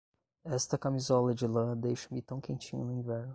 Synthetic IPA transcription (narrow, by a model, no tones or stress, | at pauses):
ɛst̪ɐkamizɔlɐd͡ʒɪlɐ̃d̪ejʃɐmɪt̪ɐ̃w̃kẽnt͡ʃĩɲʊ̰nʊĩvɛɾnʊ